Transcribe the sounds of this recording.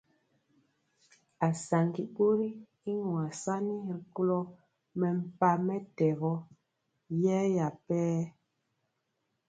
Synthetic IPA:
a˨sa˨ŋɡi˨ɓo˦ɾi˦ | i˦ŋwa˨sa˦ni˦˨ɾku˦lɔ˦ | mɛ˨m̩˦pa˦mɛ˦tɛ˨ɣɔ˦ | jɛ˦ja˨pɛː˦

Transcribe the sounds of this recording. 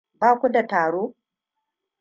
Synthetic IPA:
baː˦kʷu˦da˨taː˨ɽoː˦

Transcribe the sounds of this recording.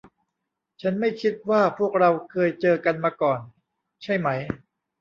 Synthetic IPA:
t͡ɕʰa˦˥nma˥˩jkʰi˦˥t̪̚waː˥˩pʰu˥˩ək̚ɾa˧wkʰɤː˧jt͡ɕɤː˧ka˧nmaː˧kɔː˨˩n | t͡ɕʰa˥˩jma˦˥j

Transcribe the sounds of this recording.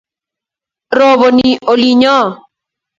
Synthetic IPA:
ɾɔ˨βɔ˨ni˨ʔo˨li˦ɲɔ˦˨

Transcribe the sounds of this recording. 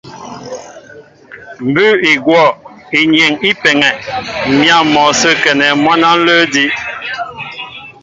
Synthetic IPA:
m̩˨bʉ˦i˨ɡwɔ˦˨ | i˨ɲjɛ˨ŋi˦pɛ˨ŋɛ˨mja˦˨mɔ˨sə˦kɛ˨nɛ˨mwa˦na˦n̩˦lə˦di˦ʔ

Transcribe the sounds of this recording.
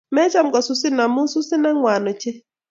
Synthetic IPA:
mɛ˦t͡ʃa˦mɡɔ˨sʊ˨sɪ˦na˨mʊ˦su˦sɪ˦nɛ˦ŋwa˨nɔ˨t͡ʃe˦

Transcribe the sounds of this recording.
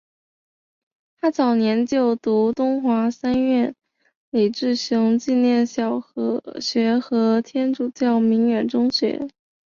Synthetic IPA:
t̪ʰa˥t͡sɑ˨˩ʊnjɛ˧˥nt͡ɕjo˥˩ʊt̪u˧˥t̪ʊ˥ŋxwa˧˥sa˥nɥɛ˥˩n | li˨˩ʈ͡ʂɻ̩˥˩ɕi˧˥ŋt͡ɕi˥˧njɛ˥˩nɕjɑ˨˩ʊxɤ˧˥ɕɥɛ˧˥xɤ˧˥t̪ʰjɛ˥nʈ͡ʂu˨˩t͡ɕjɑ˥˩ʊmi˧˥ŋɥɛ˨˩nʈ͡ʂʊ˥ŋɕɥɛ̰˧˥

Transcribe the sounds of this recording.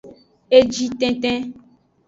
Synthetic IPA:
e˦d͡ʒi˦t̪ɛ̃˦t̪ɛ̃˦

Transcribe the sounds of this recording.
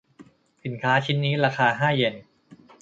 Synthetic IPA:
si˨˩˦nkʰaː˦˥t͡ɕʰi˦˥nːiː˦˥ɾaː˧kʰaː˧ɦaː˥˩je˧n

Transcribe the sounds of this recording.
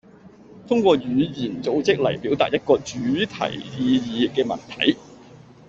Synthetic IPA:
t̪ʰʊ˥ŋkʷɔː˧jyː˨˧jiː˨˩nt͡so˨˧wt͡sɪ˥k̚lɐ̰˨˩jpiː˨˥wt̪a̰ː˨t̚jɐ˥t̚kɔː˧t͡ʃyː˨˥t̪ʰɐ̰˨˩jjiː˨˧jiː˨˧ɪ˨k̚kːɛː˧mɐ̰˨˩nt̪ʰɐ̰˨˥j

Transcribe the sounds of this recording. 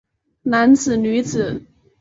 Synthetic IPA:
na˧˥nt͡sɹ̩˨˩ny˧˥t͡sɹ̩˨˩˦

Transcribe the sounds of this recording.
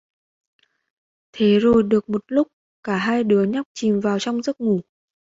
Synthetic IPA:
t̪ʰe˨˦zo˨˩jɗɨ˨˩ək̚mo˨˩t̚lʊ˦˥k͡p̚ | kaː˧˩ɦaː˧jɗɨ˨˦əɲa˦˥wk͡p̚t͡ɕi˨˩mvaː˨˩wt͡ɕɔ˧wŋ͡mzə˦˥t̚ŋu˧˩

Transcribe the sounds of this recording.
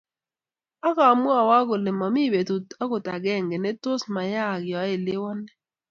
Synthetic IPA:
a˦ka˨mʊ˦a˨wa˦ɡʊ˨lɪ˨mɔ˨mi˦˨be˨ta˦kʊ˨ta˨ɡɛ˦˨ŋɡe˨nɛ˦tʊ˦sma˨ja˦˨ɡɪ˨ɔ˨˦ɪ˨lɪ˦wɔ˦nɛ˦

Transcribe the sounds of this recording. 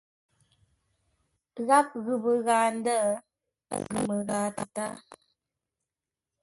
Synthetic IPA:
ɣa˦p̚ɣʉ˨bə˨ɣaː˨n˦də̰˦ | ɡʉ̰˨mə˨ɣaː˨˦tə˨ta̰˦ʔ

